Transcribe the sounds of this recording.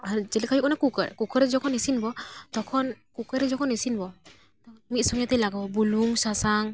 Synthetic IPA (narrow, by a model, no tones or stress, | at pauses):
aɾd͡ʒɛlikʰajukɔnakukə̰ɾkukəɾɛd͡ʒɔkʰɔnesinbɔt̪ɔkʰɔnkukaɾɛd͡ʒɔkʰɔnesinbɔ | tɔmit̚sɔŋjat̪ɛjlaɡabɔbuluŋsasaŋ